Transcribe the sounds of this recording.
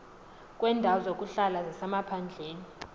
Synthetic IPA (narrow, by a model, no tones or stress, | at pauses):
k̬ʼwɛndʱaɔzok̬ʼuɬalazɛsamapʰand͡ɮʱeːni